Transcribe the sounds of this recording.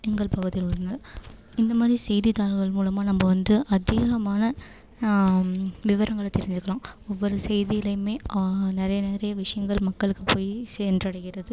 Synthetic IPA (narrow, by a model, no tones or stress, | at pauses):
ɛŋɡɐɭpɐɣɯðɪjlɯɾɯnɯ | ɪnd̪ɐmaːd̪ɾisɛjðit̪aːlɣɐɭmuːlɐmaːnɐmːɐʋɐnd̪ɯʔɐd̪ɛɣɐmaːnɐ | ʋɪʋɐɾɐŋɡɐɭɐt̪ːɛɾɪɲd͡ʒɯkːɐɭãːmɔʋːɔɾɯsɛjðijɪlɐjɯmeːnɪɾɐjɐneːɾɐjɐʋɪʂɐjɐŋɡɐɭmɐkːɐɭɯkːɯpoːjseːndrɐɽɐɣɪrɐðɯ